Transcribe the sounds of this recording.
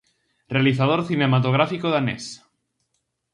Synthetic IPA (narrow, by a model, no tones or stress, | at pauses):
realiθað̞oɾθinemat̪oɣ̞ɾafikoðanḛs